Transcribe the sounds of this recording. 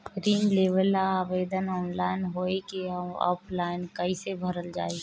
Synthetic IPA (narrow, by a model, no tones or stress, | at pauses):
ɡɾiːnleːʋəlaaːʋeːd̪ənɔːnlaːɪnɦoːekeɔ̰ːpʰlaːɪnkəisebʱəɾəld͡ʒa̰ːe